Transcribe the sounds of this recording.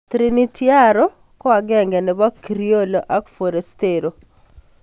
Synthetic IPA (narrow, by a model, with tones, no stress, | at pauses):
t̪ɾini˦tja˦ɾɔ˦ | kɔ˦a˨ɡɛ˦ŋɡɛ˨nɛ˨ba˦kɾio˦lo˨ʔa˦kfo˨ɾe˨steɾo˨